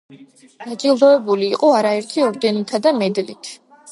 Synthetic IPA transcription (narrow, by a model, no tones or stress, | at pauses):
d̪̥at͡ʃʼilˠd̪ɔɛbuliːqʼɔaɾaɛɾt̪ʰiɔɾd̪ɛnɔt̪ʰad̪amɛd̪lit̪ʰ